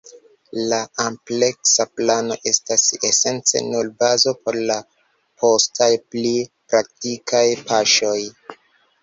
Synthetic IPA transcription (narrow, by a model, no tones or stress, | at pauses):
laample̞ksaplano̞ʔe̞stasese̞nt͡sḛnulbazo̞pʰo̞ɾla | pʰo̞stʰajplipɾak̚tikʰajpaʃo̞j